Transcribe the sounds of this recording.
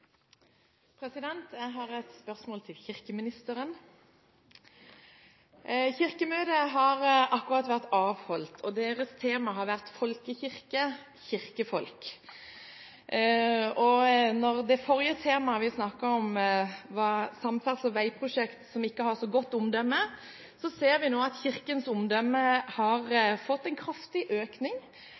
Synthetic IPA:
pʰɾɛsɪd̪ɛnt̪jæɪɦɑɾɛt̪spœʁsmoːlt̪ʰɪlçɪʁkəmɪnɪst̪əɾən | çɪʁkəmøːd̪əɦɑʁɑkːʉʁɑt̪ʋæʁt̪ɑːʋhɔlt̪ʰɔd̪eːʁəst̪ʰeːmɑɦɑʁʋæʁt̪fɔlkəçɪʁkə | çɪʁkəfɔlk | ɔnɔʁd̪ɛfɔɾjət̪ʰeːmɑʋɪsnɑkːəɔmʋɑːsɑmfæʁt̪sɔʋæɪpʰʁʊʂɛkt̪sɔmɪkːəhɑʁsɔɡɔt̪ːʊmd̪œmːə | sɔseːɾʋɪnoːɑt̪çɪʁkənsʊmd̪œmːəhɑɾfɔt̪ːɛɪnkʰʁɑft̪ɪʔøːknɪŋ

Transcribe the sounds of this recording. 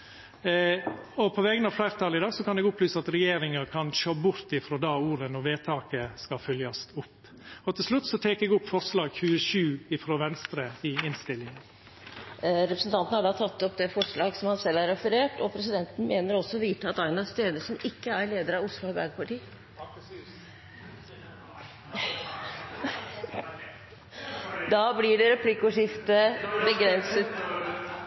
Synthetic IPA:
ɔpʰɔʋɛːɡənɑʋflæɪɾt̪ʰɑlɪd̪ɑːɡsɔkɑnɛɡʊplyːsəɑt̪ɾɛjeːɾɪŋəɾkʰɑnʃoːbʊɾt̪ɪfɾɔːd̪ɑːuːɾənɔɾʋeːt̪ʰɑːkəskɑfœljɑst̪ʊpː | ɔt̪ʰɪlʂlʉt̪ːsɔt̪ʰeːkɛɡʊpːfɔɾʂlɑːɡçʉːəʃʉːɪfɾoːʋɛnst̪ɾəɪɪnst̪ɪlːɪŋən | ɾɛpɾəsn̩t̪ʰɑnt̪n̩hɑɖɑːt̪ʰɑt̪ːɔp̚d̪ɛfɔʂɭɑːɡsɔmhɑnsɛlːæɾɛfəɾeːʈɔpʰɾɛsɪd̪ɛnt̪n̩meːnəɾɔsːɔʋiːt̪ːəɑt̪ɑɪnɑst̪eːnəʂnɪkːəæɾɭeːd̪əɾɑʋʊslʊɛbæ̰ɾɡpʰɑʈiː | d̪ɑːblɪɖɛɾɛpʰlɪkːʊʂɪft̪əbəɡɾɛnsət̪

